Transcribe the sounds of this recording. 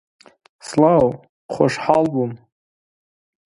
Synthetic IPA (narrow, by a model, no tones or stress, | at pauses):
slaw | χʷaʂħalbum